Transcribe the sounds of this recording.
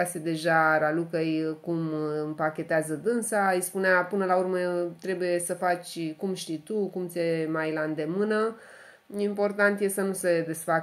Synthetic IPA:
ased̪e̞ʒaɾalukejkumɨmpakʲe̞t̪eazəd̪ɨnsaɨjspuneapɨnəlaurmet̪ɾe̞buje̞səfat͡ʃʲkumʃt̪ijt̪ukumt̪sʲemajlaɨnd̪e̞mɨnə | impo̞rt̪ant̪je̞sənused̪e̞sfa

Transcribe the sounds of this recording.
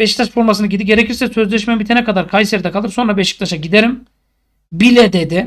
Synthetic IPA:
beʃi̥kt̪ʰaʃfo̞ɾmasɯnɯaɟid̪iɟe̞ɾecʰiɾsɛsøzlʲɛʃmɛbit̪ʰenɛkʰad̪aɾkʰajseɾd̪ɛkʰalˠɯɾso̞nɾabeʃi̥k̚t̪aʃaɟid̪eɾim | bilʲɛd̪ed̪ɪ

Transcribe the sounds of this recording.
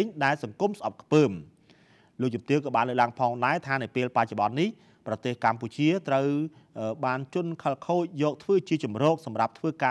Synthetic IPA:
ɲɗaɛlsɑŋkumsʔɑp̚kʰpəːm | loːk̚t͡ɕumt̪iəŋkɑːɓaːnləːk̚laəŋpʰɑːŋɗaɛt̪ʰaːnəwpeːlpac̚t͡ɕoɓɑnːih | prɑt̪eːhkamput͡ɕiət̪rəw | əɓaːnt͡ɕʊənkʰəlkʰoːc̚jɔːk̚t̪ʰʋəːt͡ɕiət͡ɕɑmrɔːk̚sɑmrap̚t̪ʰʋəːkaː

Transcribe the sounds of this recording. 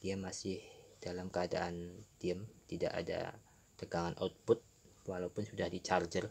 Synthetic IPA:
d̥iamasɪhd̥alamkəada̰ʔant̪iəmt̪ida̰ʔa̰da̰ | t̪əɡaŋanʔa̰t̪̚pʊt̪̚walaupʊnsudahdit͡ʃard͡ʒər

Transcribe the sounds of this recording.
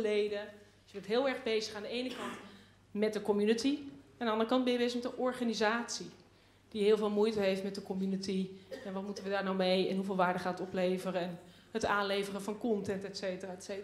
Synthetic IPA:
əlejdə | jəbəntɦɪːlˠɛɹɣbejzəχaːndəejnəkɑnt | mɛt̚dəkomjynətiɛndəɑndərəkɑnt̚bɛjəbezəχmɛtdəʔɔɹχanizaːtsi | d̥iɦɪːlˠvɪːlˠmujtəɦejftmɛt̚dəkomjynətiɛnʋɔtmutənʋədaːɹnawmejɛnɦuvɪːlˠʋaːɹdəχaːtətɔplejvərəɛn | hətaːnlejvərəvɑnkɔntɛntɛtsejtəraːse

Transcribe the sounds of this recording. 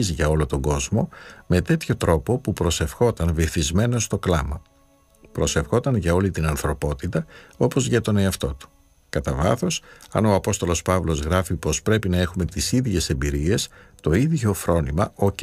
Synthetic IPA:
izʝɐo̞lo̞t̪o̞ɡo̞zmo̞me̞t̪e̞t̪ço̞t̪ɾo̞po̞pupɾo̞se̞fxo̞t̪ɐnviθizme̞no̞st̪o̞klɐ̰mɐ | pɾo̞se̞fxo̞t̪ɐnʝɐo̞lit̪inɐnθɾo̞po̞t̪it̪ɐo̞po̞zʝɐt̪o̞ne̞ɐft̪o̞t̪u̥ | kɐt̪ɐvɐ̰θo̞sɐ̰no̞ɐpo̞st̪olo̞spɐvlo̞zɣɾɐfipo̞spɾe̞pinɐe̞xume̞t̪isiðʝe̞se̞mbiɾie̞st̪o̞iðʝo̞fɾo̞nimɐo̞

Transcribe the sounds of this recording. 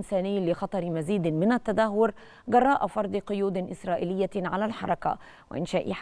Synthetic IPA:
nsaːnɪjːlɪxɑt̪ˤɑɾmaziːd̪mɪnat̪ːad̪aɦːʊɾ | ɡɑrˤːɑːʔafɑɾˤd̪ˤɨqʊjuːd̪ʔɪsɾˤɑːʔɪːlɪjːaʕalalħɑ̰ɾˤɑka̰ | wɪ̰ʔɪnʃaːʔɪ̰ħ

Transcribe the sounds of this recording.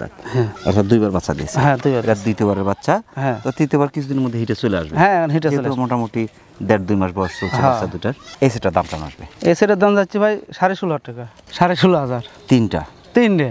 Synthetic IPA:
t̪a̰t̪ɦɛ̃a̰ɾʰad̪ujbaɾbatːʃʰad̪ḭḛeɦɛ̃d̪ujbaeɾad̪ujt̪eβaɾeɾbat̪ːʃʰaɦɛ̃ɔt̪it̪ebaɾkit͡ɕʰud̪ineɾmod̪ʱːeɦiʈesulea̰ʃbeɦɛ̃nɦiʈeeumoʈamoʈi | d̪ɛɾ̚d̪ujmaʃbɔessolʰeɦaaːʃad̪ujʈaɾeseʈad̪amtana̰ʃbḛeseʈad̪and͡zatːʃʰibʱajʃaɾeʃuloɦaʈːika | ʃaɾeʃuloɦazaɾt̪inʈa̰ | t̪inʈe

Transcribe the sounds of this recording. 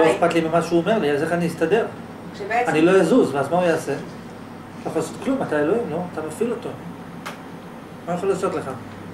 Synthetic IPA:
oeχpat̪limimaʃuome̞ʁliazeχaniist̪ade̞ʁ | anilo̞jazuzveazmaujaːse̞ | t̪ajexolasot̪klumat̪aeloimlo̞at̪amafilot̪o̞ | majaχolaːso̞t̪le̞χa

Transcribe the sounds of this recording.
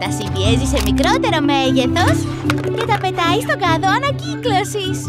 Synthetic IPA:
t̪ɐsivie̞zise̞mikɾo̞t̪e̞ɾo̞me̞ʝe̞θo̞s | ce̞t̪ɐpe̞t̪ɐist̪o̞ɡɐðo̞ɐnɐciklo̞sis

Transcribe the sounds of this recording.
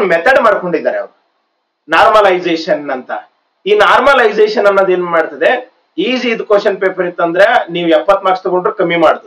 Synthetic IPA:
mɛt̪ɐɖmaːɖko̞ɳɖid̪ːaːɾeɐ̰ʋɾu | naːɾmɐlɐjd͡ʒeːʂɐnːɐnt̪ɐ | iːnaːɾmɐlɐjd͡ʒeːʃɐnɐnːoːd̪e̞ːnumaːɽt̪ɐd̪e̞ | iːd͡ʒiːd̪koːʃɐnpeːpɐɾit̪ːɐnd̪ɐɾe̞niːʋuɛpːɐt̪ːmaːkst̪ɐɡo̞ɳɖɾukɐmːimaːɽd̪u

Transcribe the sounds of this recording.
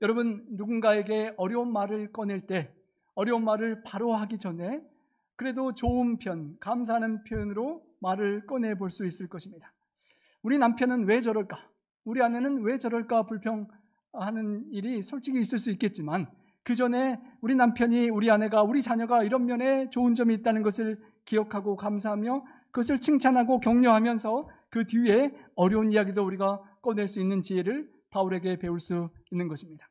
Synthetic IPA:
jʌɾʌbɯnːuɡunɡae̞ɡe̞ʌɾjʌonmaɾɯɭk͈ʌneɭt͈e̞ | ʌɾjʌonmaɾɯɭpaɾoɦaɡid͡ʑʌne̞ | kɯɾe̞dot͡ɕoɯnpʰjʌnkamsʰaɦanɯnpʰjʌnɯɾo | maɾɯɭk͈ʌnɦe̞boɭs͈uis͈ɯɭk͈ʌɕʰimɲida | uɾinampʰjʌnɯnwe̞d͡ʑʌɾʌɭk͈a | uɾiane̞nɯnwe̞d͡ʑʌɾʌɭk͈apuɭpʰjʌŋ | hanɯniɾisʰoɭt͡ɕ͈iɡiːs͈ɯɭs͈uit̚k͈e̞t̚t͡ɕ͈iman | kɯd͡ʑʌne̞uɾinampʰjʌɲiuɾiane̞ɡauɾit͡ɕaɲʌɡaiɾʌmːjʌne̞t͡ɕoɯnd͡ʑʌmiːt̚t͈anɯnɡʌsʰɯɭ | kijʌkʰaɡokams̬ʰaɦamjʌ | kɯɡʌs̬ʰɯɭt͡ɕʰɯŋt͡ɕʰanɦaɡokjʌŋɲoɦamjʌnsʰʌkɯtie̞ʌɾjʌunijaɡidouɾiɡak͈ʌnwe̞ɭs͈uinːɯnt͡ɕie̞ɾɯɭ | pauɾe̞ɡe̞pe̞uɭs͈uinːɯnɡʌɕʰimɲidḁ

